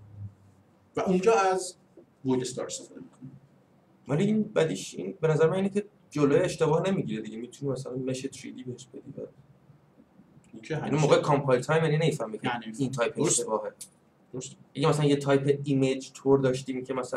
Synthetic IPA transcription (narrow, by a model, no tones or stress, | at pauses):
væʔũnd͡ʒɒːæz | bojlest̪ɒ̰ɾsefd̪emikʰoni | væliiːnbæd̪iːʃḭnbenæzæɾemæniːnecʰe | d͡ʒoloːjeeʃt̪e̞bɒːhne̞miɟiːɾed̪iɟemiːt̪ʰunimæsælænmeʃet̪ʰɾḭd̪iːbeheʃbed̪ḭdæ̰ | nimoːɣekʰɑmpʰɒjlt̪ʰɒːjmjaninemifæhmikʰeiːnt̪ʰɒːjpʰeeʃebɒːɦe | ʔæɡemæsælænjet̪ʰɒjpʰe̞imed͡ʒt̪ʰoɾd̪ɒːʃt̪iːmcʰemæsæ